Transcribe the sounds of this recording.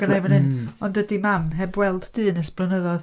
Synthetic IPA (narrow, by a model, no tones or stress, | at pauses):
ənemənɨnɔndədimamɦɛbwɛlˠd̥d̥ɨːnəsb̥lˠənəðɔð